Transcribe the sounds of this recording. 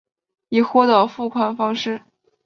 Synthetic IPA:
i˨˩xwɔ˥d̪ə˧˩fu˥˩kʰwa˨˩nfɑ˥ŋʂɻ̩˥˩

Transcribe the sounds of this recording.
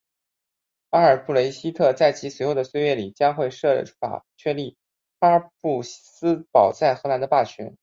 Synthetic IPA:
a˥ə˞˨˩pʰu˥˩le˧˥ɪɕi˥t̪ʰɤ˥˧t͡sa˥˩ɪt͡ɕʰi˧˥swɛ˧˥ɪxo˥˩d̪ə˩swe˥˧ɪɥɛ˥˩li˨˩t͡ɕja˥ŋxwe˥˧ɪʂɤ˥˩fa̰˨˩t͡ɕʰɥɛ˥˧nli˥˩ | pa˥pu˥˩sɹ̩˥pɑ˨˩ʊt͡sa˥˩ɪxɤ˧˥na˧˥nd̪ə˧pa˥˩t͡ɕʰɥɛ̰˧˥n

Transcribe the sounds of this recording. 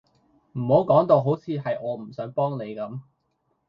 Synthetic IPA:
m̩˨˩ho˨˥wkɔː˨˥ŋt̪o˧wɦo˨˥wt͡sʰiː˨˧ɦɐ˨jʔɔː˨˧m̩˨˩sœː˨˥ŋpɔː˥ŋne˨˧jkɐ˨˥m

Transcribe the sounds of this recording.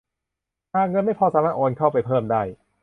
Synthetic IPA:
aː˧˩k̚ŋɤ˧nma˥˩jpʰɔː˧saː˦maː˥˩t̪ʔoː˧nkʰa˥˩wpa˧jpʰɤː˥˩mdaː˥˩j

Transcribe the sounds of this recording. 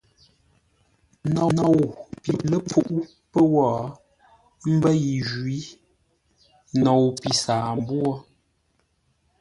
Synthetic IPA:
nɔ˨nɔ˨wpi˨lə˦p͡fu˨ʔu˦ | pə˦wɔː˨ | m̩˦bə˦ji˨ʒwi˦ | nɔ˨wpi˨saː˨m˦bwɔ˦

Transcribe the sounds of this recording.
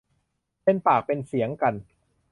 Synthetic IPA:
pe˧npaː˨˩k̚pe˧nsi˩˦əŋka˧n

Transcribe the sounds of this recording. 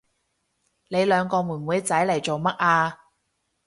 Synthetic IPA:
ne˨˧jlœː˨˧ŋkɔː˧muː˨˩nwuː˨˧jt͡sɐ˨˥jlɐ˨˩jt͡ʃo˨wmɐ˥t̚aː˧

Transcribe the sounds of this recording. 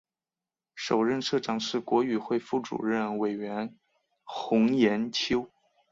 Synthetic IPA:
ʂo˨˩ʊɻə˥˧nʂɤ˥˩ʈ͡ʂɑ˨˩ŋʂɻ̩˥˩kwɔ˧˥y˨˩xwe˥˧ɪfu˥˩ʈ͡ʂṵ˨˩ɻə˥˩nwe˨˩ɪɥɛ˧˥n | xʊ˧˥ŋjɛ˧˥nt͡ɕʰjo˥ʊ

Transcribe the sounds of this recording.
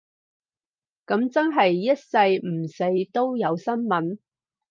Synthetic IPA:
kɐ˨˧˥mt͡sɐ˥nɦɐ˨jːɐ˥t̚sɐ˧jm̩˨˩se˨˥jt̪o˥wjɐ˨˧wsɐ˥nmɐ˨˥n

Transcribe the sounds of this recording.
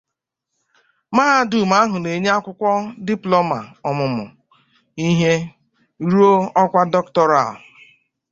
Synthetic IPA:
maː˦a˦du˨ma˦ɦʊ˨ne˨ɲe˦a˦kʷʊ˦kʷɔ˦di˦plɔ˦ma̰˨ɔ˨mʊ˨mʊ̰˨ | i˦ɦe˦ | ɾu˦o˦ɔ˦kʷa˦dɔ˦ktɔ˦ɾa˨l

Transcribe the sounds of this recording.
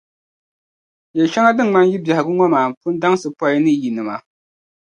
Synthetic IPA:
jɛ˨lʃa˦ŋa˦dɨ˦ŋŋ͡ma˦nji˦bja˨hɪ˨ɡɨ˦ŋɔ˦maː˨m̩˨pʊ˦n˦da˦ŋ˦sɨ˨pɔ˦jnɨ˦ji˨nɨ˨ma˨

